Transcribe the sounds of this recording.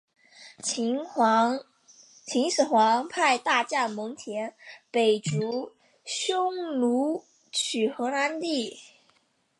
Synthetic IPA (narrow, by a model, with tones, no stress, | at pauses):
t̪ʰi˧˥ŋʂɻ̩˨˩xwɑ˧˥ŋpʰa˥˧ɪt̪a˥˧t͡ɕja˥˩nmɤ˧˥ŋt̪ʰjɛ˧˥npe˨˩ɪʈ͡ʂu˧˥ | ɕjʊ˥ŋlu˧˥ | t͡ɕʰy˨˩xɤ˧˥na˧˥nt̪i˥˩